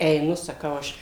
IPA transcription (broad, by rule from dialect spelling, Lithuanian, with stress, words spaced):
ɛɪˈnʊ sɐˈkɐʊ ˈɐʃ